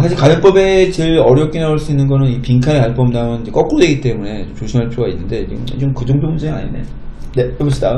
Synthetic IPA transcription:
sʰaɕ̬ʰiɭkajʌŋp͈ʌbe̞t͡ɕɯɾʌɾjʌp̚k͈inauɭs͈uinːɯnɡʌnɯnipiŋkʰaekaɭpʌmdamjʌnid͡ʑek͈ʌk͈ɯɾodwe̞ɡit͈e̞mune̞t͡ɕomt͡ɕoɕʰimɦaɭpʰjoɡainːɯnde̞t͡ɕḭɯ̰t͡ɕomkɯd͡ʑoŋbʰjomud͡ʑɯia̰ɲḭne | ne̞ʌpʰɯɕʰida

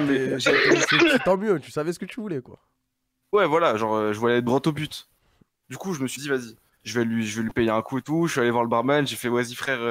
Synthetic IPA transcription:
mɛʒɛeɛt̪ɑ̃mjøt̪ysavɛsə̥kət̪yvulɛkwa̰ | wɛvwalaʒɑ̃ʁøʒəvwaljɛɡʁɔt̪obyt̪ | d̪ykuʒəməsɥid̪ivazi | ʒəvɛlɥiʒəvɛlɥipejeɛ̃kuet̪uʃɥialevwaʁləbaʁmanʒefɛwazifχɛʁ

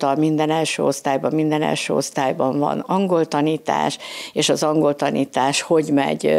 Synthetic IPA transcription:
t̪ɒlmind̪ɛnɛlʃø̰ːo̞st̪aːjbɒmmind̪ɛnɛ̰lʃø̰ːo̞̰st̪aːjbɒɱvɒ̰nɒŋɡo̞lt̪ɒniːt̪a̰ːʃeːʃɒzɒŋɡo̞lt̪ɒniːt̪aːʃho̞ɟmɛ̰ɟ

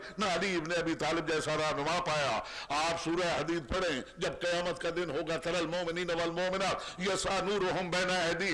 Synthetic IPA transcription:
nɐɐliɪbneɐbʱit̪aːlɪbd͡ʒɛːsaɾaːnʊmãːpaːjaːaːpsuːɾaɦɐd̪iːd̪̚pɐɽẽːd͡ʒɐb̚kɐjaːmət̪kad̪ɪnɦoːɡat̪ɐɾəlmoːmɪnĩːnɐʋalmoːmɪnaːjɐsaːnuːɾoɦʊmbɛːnaɛːd̪i

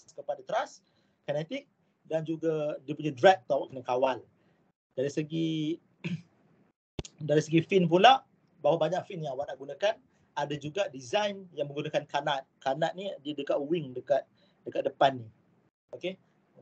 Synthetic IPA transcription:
kəpadat̪ɾas | kanɛt̪ik̚ | dand͡ʒuɡadiəpuɲadɾɛk̚t̪uawaʔkənakawal | d̥aɾisəɡi | daɾisəɡifinp̬ulaʔ | bawabaɲak̚finjaŋwanaʔɡunakan | adad͡ʒuɡadizajnjaŋmə̃ŋɡunakankanat̪̚kanat̪̚nidiədəkat̪̚wiŋdəkat̪̚ | dəkat̪̚dəpanːi | oke

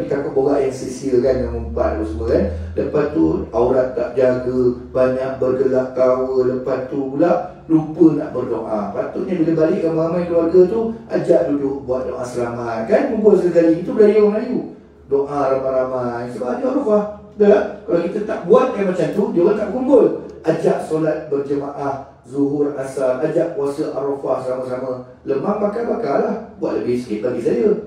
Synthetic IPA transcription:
dit̪akʊt̪̚boɡaʔjaŋsesiəkanjaŋməmpat̪apəsəməkanləpat̪t̪ːuauɾat̪̚ːa̰ʔd͡ʒaɡəbaɲaʔ̚bərɡəɡaʔkawələpat̪t̪ulaʔ | lupəna̰ʔbərdoʔapat̪uʔ̪̚ɲaduləbalɪʔkamaamajkəluarɡat̪ua̰d͡ʒaʔdudʊʔ̚buat̪̚doʔasəlamat̪̚kanməbuaʔsəəkaliɲit̪ubəlajaŋaju | doʔaɾamaɾamajsəbaʔad͡ʒuʔaɾofah | dakalakit̪ət̪aʔbuat̪̚kanmat͡ʃamt̪udiəwaʔt̪aʔkumbʊlʔad͡ʒaʔsolat̪̚bərd͡ʒəmaʔah | zuɦʊrasalʔad͡ʒaʔkuasəʔa̰ɾofahsəlaməsamə | ləmaŋmakalbakalahbua̰t̪̚ləbɪhsə̥kɪʔ̪̚baɡisajə

